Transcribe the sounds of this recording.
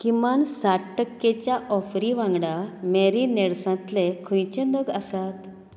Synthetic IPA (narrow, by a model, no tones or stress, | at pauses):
kimansaʈːəkːet͡ɕjaʔɔfɾiʋãŋɡɽameɾineɽsãt̪lekʰũjt͡ɕẽnəɡəsat̪